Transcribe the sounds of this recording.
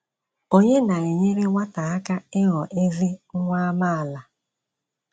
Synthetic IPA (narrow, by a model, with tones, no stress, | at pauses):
o˦ɲe˦na˨e˨ɲe˦ɾɪ˦ŋʷa˦ta˨a˦ka˦ɪ˦ɣɔ˨ʔe˦zɪ˦ŋ̩˦ŋʷa˦ma˦a˨la˨